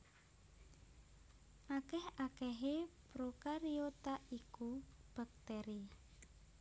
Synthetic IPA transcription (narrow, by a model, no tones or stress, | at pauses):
ʔakɛhakɛɦepɾokaɾiot̪aikub̥a̤k̚t̪ɛɾi